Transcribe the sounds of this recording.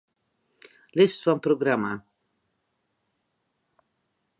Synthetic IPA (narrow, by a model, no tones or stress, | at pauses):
lɪst̪wampɾoɡɾama